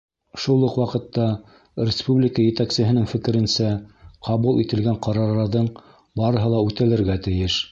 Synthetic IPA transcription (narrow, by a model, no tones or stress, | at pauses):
ʃulˠːɤqwɑqɤ̆t̪ːɑ | rʲɪspublʲɪkəjɘ̆t̪æksɘ̆ɦɘ̆nɘŋfɘ̆kɘ̆ɾɘ̆nsæqʰɑβulˠit̪ɘ̆lɡæɴqɑɾɑɾɑɾðɤɴ | bɑɾɤ̆ɦɤlˠɑʉt̪ælɘ̆ɾɡæt̪ɘ̆jɘʃ